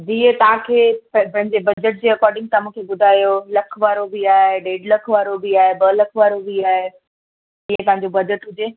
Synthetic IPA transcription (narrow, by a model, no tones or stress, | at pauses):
d͡ʑiːt̪ɐʋ̤ãkʰeːppɐ̃ɦɪ̃ɲd͡ʑebɐd͡ʑəʈ̚d͡ʑeːɐkɔːɾɖɪ̃ŋɡ̚t̪amũːkʰebʊd̪ʱaːjolɐkʰʋaːɾobiaːɦeɖeːɖlɐkʰʋaːɾobiaːɦebɐlɐkʰʋaːɾobiaːɦe | d͡ʑĩːə̃t̪ɐ̃ɦɪ̃ɲd͡ʑobɐd͡ʑəʈɦʊd͡ʑeː